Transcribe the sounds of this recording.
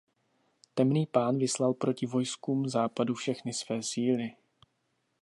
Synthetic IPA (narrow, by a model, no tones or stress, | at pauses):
t̪ɛmniːpaːnvɪslalpɾo̞cɪvo̞jskuːmzaːpadufʃɛxnɪsvɛːsiːlɪ